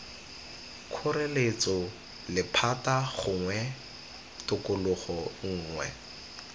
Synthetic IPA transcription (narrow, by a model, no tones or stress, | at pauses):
kʰʊrelet͡sɔ | lɪpʰataɣʊŋwɛ | tʊkʊlʊχɔŋ̩ːŋwɛ̰